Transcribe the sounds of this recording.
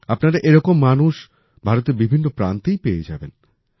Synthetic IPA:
apnaɾaʔeɾɔkomːanuʃ | bʱaɾot̪eɾbibʱinːopɾant̪ejpeed͡ʑaben

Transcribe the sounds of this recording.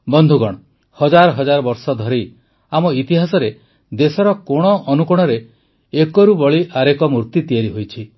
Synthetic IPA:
bɔnd̪ʱuɡɔɽ̃ɔ | hɔd͡ʒaɾɔɦɔd͡ʒaɾɔbɔɾsɔd̪ʱɔɾi | amɔit̪iɦasɔɾe | d̪esɔɾɔkoɽ̃ɔʔːnukuɽ̃ɔɾe | ekɔɾubɔɭiʔaɾekɔmuɾt̪it̪ijaɾiɦojt͡ʃʰi

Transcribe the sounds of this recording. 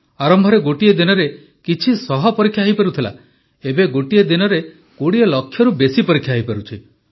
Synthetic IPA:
aɾɔmbʱɔɾeɡoʈied̪inɔɾe | kit͡ʃʰisɔɦɔpɔɾikʰːjaɦɦipeɾut̪ʰila̰ | ebeɡoʈijed̪inɔɾe | koɽielɔkʰːjɔɾubesipɔɾikʰjaɦipeɾut͡ʃʰi

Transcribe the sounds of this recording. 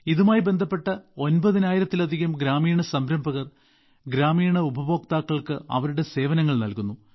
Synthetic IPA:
iðumaːjibe̞nd̪ʱɐpːe̞ʈːɐo̞nbɐðinaːjiɾɐt̪ːilɐd̪ʱiɣɐmɡɾaːmiːɳɐsɐmbɾɐmbʱɐɣɐr | ɡɾaːmiːɳɐubʱɐbʱoːk̚t̪aːkːɐɭkɨɐ̰ʋɐɾuɽe̞se̞ːʋɐnɐŋːɐɭnɐlkunːu

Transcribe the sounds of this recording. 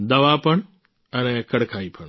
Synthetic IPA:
d̪ɐʋapəɳ̃ | ənekɐɽkʰaipʰəɳ

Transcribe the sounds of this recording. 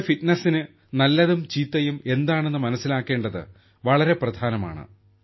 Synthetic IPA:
fiʈnɐsinɨ | nɐlːɐðumt͡ɕiːt̪ːɐjume̞nd̪aːɳe̞nːɨmɐnɐsːilaːkːe̞ːɳɖɐðɨ̰ | ʋɐɭɐɾe̞prɐd̪ʱaːnɐma̰ːɳɨ̰

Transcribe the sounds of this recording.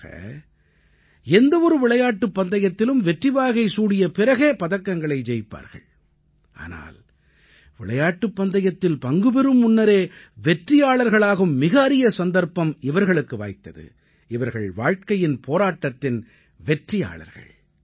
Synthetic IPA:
ɐ̰ | ɛnd̪ɐɔɾɯʋɪɭɐjaːʈːɯpːɐnd̪ɐjɐt̪ːɪlɯmʋɛʈrɪʋaːɣɐɪsuːɽɪjɐpɪɾɐɣeːpɐðɐkːɐŋɡɐɭɐɪd͡ʒɛjpːa̰ːɾɣɐ̰ɭ | ʔa̰ːna̰ːl | ʋɪɭɐjaːʈːɯpːɐnd̪ɐjɐt̪ːɪlpɐŋɡɯbɛɾɯmːʊnːɐɾeː | ʋɛʈrɪjaːɭɐɾɣɐɭaːɣɯmːɪɣɐɐɾɪjɐsɐnd̪ɐɾpɐmɪʋɐɾɣɐɭɯkːɯʋa̰ːjt̪ːɐ̰ðɯ̰ | ɪʋɐɾɣɐɭʋaːɻkɐjɪnpʰoːɾaːʈːɐt̪ːɪn | ʋɛʈrɪja̰ːɭɐ̰ɾɣɐ̰ɭ

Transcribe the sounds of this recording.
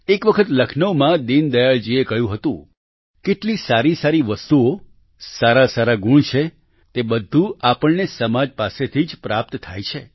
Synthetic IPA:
ekʋəkʰət̪ləkʰnəomãd̪ind̪əjaɭd͡ʒiekəɦjũɦət̪ũ | keʈlisaɾisaɾiʋəst̪uo | saɾasaɾaɡuɳt͡ʃʰe | t̪ebəd̪ʱːuapəɳnesəmad͡ʒpaset̪ʰid͡ʒpɾap̚t̪t̪ʰːajt͡ʃʰe

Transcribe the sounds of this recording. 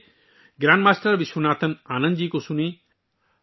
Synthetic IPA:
ɡɾãːnɖmaːsʈɐɾʋiswunaːt̪ɐnaːnɐ̃nd̪d͡ʒiːkosuni

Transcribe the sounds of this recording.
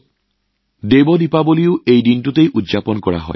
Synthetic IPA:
debɔd̪ipaboliuʔejdinʈut̪ejʔudd͡ʒapɔnkɔɽa̰ɦɔ̰ɪ

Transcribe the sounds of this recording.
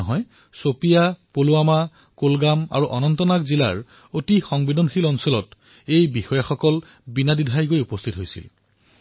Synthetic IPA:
ɦɔj | sopijapoluama | kolɡama̰ɹuʔɔnɔntɔnakzila̰ɹ | otixɔŋbidʱɔnxilɔnsɔlɔt | ejbixɔjaxɔkɔl | binadidʱajɡojupɔstʰitɦojsḭl

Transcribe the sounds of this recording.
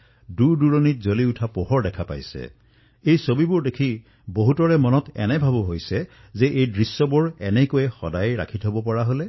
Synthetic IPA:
duɹduɹɔnit̚zoliutʰapɔɦɔɹdɛkʰapa̰jsɛ̰ | ejsobibʊɹdekʰi | boɦutɔɹɛmɔnɔtɛ̰nɛbʱabʊɦojsɛ | zɛʔejdɹisːɔbʊɹɛnɛkojɛxɔ̰dajɹa̰kʰitɦobɔpɔɹaɦolɛ

